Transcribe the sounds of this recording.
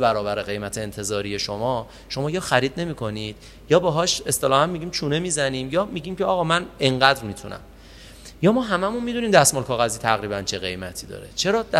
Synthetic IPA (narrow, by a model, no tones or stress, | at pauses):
bæɾɒːbæɾeɣe̞jmæt̪ʰeːnt̪ʰe̞zɒːɾije̞ʃo̞mɒː | ʃo̞mɒːjɒːxæɾiːd̪̚ne̞miːkʰo̞nid̪̥ | jɒːbeɦɒːʃe̞st̪elɒːhænmiɟiːmt͡ʃʰuːne̞mizæniːmjɒːmiɟiːmcʰeɒːɣɒːmæne̞ɴɢæd̪ɾmit̪ʰunæ̰m | jɒːmɒːɦæmæmunmid̪uniːmd̪æsmolkʰɒːɣæziːt̪ʰæɣɾiːbænt͡ʃʰe̞ɣe̞jmæt̪ʰiːd̪ɒ̰ːɾet͡ʃʰe̞ɾɒːd̪